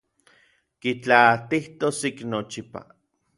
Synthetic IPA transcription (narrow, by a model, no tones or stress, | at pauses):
kit͡ɬaːt̪iht̪osiknot͡ʃipa̰